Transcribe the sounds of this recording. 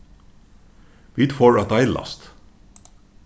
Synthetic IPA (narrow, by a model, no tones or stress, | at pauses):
ʋit̪foːɹɑt̪ɑɪlʔɑ̰st̪